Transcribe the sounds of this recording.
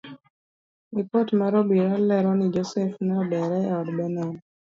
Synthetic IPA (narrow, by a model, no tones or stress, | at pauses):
ikɔtmaɾɔbiɾalɛɾɔnid͡ʒɔsɛfnabɛɾɛɔdbɛnan